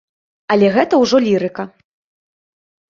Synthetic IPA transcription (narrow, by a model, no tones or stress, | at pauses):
ɐlʲɛɣɛt̪ɐwʐɔlʲiɾɨkɐ